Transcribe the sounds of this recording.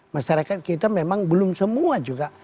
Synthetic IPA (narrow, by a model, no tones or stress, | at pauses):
maʃaɾakat̪̚kit̪amemaŋbəlʊmsəmuad͡ʒuɡa